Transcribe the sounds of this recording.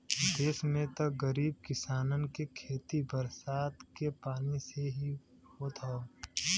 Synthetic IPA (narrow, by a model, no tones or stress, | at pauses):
d̪eːsmẽt̪ɐɡəɾiːb̚kɪsaːnənkekʰeːt̪ibəɾsaːt̪kepaːniseɦi | hot̪ʰa